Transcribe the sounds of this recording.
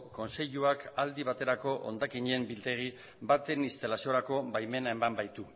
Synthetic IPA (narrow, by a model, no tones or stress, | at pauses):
ko̞nse̞ʎuakald̪iβat̪e̞ɾako̞ʔo̰nd̪akiɲembilt̪e̞ɣ̞i | bat̪e̞nist̪alasio̞ɾako̞bajme̞nae̞mambajt̪u